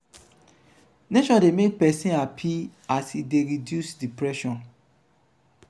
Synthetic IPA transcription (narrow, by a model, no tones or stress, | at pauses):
neʃɔ̃ndemek̚pɛsĩnapʰiasideɹidjusdipɹɛʃɔ̃n